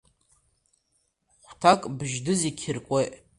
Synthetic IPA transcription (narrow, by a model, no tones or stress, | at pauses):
χʷtʰakʼbʒdɨzikʲʰɪrkʷʼejʔ